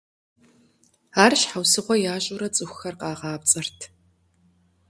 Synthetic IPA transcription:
aːrɕħawsɨʁʷɔjaːɕʼʊɾɐt͡sʼɨxʷxɐrqɑːʁɑːp̚t͡sʼɐrtʰ

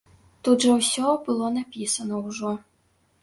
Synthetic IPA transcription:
t̪ud̪ʐɐwsʲɔbɨlˠɔnapʲisɐnɔwʐɔ

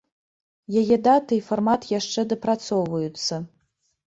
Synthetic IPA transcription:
jajedatʰɨiformatʰjaʂt͡ʂɛd̪ɨprat͡sʰowvajut͡sʰːɐ

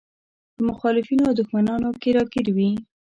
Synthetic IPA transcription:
d̪əmʊxɑlɪfinoawd̪ʊxmanɑnokeɾɑkɪɾwi

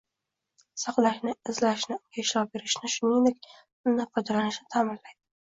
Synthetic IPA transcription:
sɑqlaʃnɪɪzlaʃnɪkʲaʃlɒbe̞ɾɪʃnɪʃʊnɪŋd̪ek̚ʲ | ʊnnapqʰɒd̪alanɪʃnɪt̪ʰamɪnlajd̪ɪ

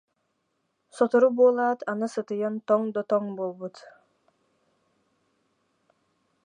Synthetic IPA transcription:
sɔt̪ɔɾubuːlˠaːt̪ʰanɯsɯt̪ɯjɯnt̪ɔŋd̪ɔt̪ɔŋbolˠbut̪

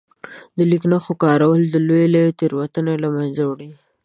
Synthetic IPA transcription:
d̪əliknaxokɑɾawəld̪əlojlajot̪eɾwat̪ənelamanzawɽi

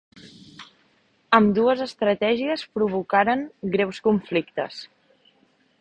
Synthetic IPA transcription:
əmd̪uəzəst̪ɾət̪ɛʒiəspɾuβukaɾəŋɡɾewskuɱflikt̪ə̰s

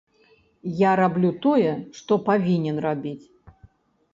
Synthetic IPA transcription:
jaɾablʲut̪ɔjɛʂt̪ɔpavʲinʲɛnrabʲit͡sʲ

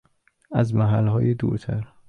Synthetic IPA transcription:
æzmæɦælhɒːjed̪ṵɾt̪ʰæɾ

